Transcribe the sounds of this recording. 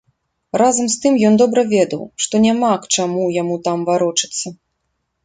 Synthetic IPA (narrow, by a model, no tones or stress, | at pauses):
razɐmst̪ɨmjɔnd̪ɔbɾɐvʲɛd̪ɐwʂt̪ɔnʲamakt͡ʂamujamut̪amvaɾɔt͡ʂɨ̥t̪sːɐ